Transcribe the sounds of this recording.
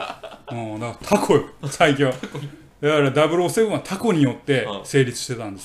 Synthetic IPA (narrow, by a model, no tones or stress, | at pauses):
õːd̪akat̪ʰakʰo̞josaik̬ʲĩa | d̪akaɾad̪abɯ̟ɾoːsebɯ̟̃at̪ʰako̞ɲ̟ijo̞t̪ːe̞se̞ːɾʲit͡sɨ̥ɕt̪e̞t̪ãnd̪es